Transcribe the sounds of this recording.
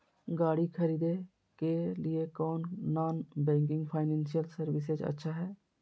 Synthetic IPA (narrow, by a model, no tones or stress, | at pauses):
ɡaːɽikʰɐɾiːd̪e | keliekɔːnːaːnbɛ̃ːŋk̬ɪ̃ŋɡpʰaːɪnɛ̃ːnsijəlsəɾʋɪsed͡ʒɐ̰tːʃʰaɦɛː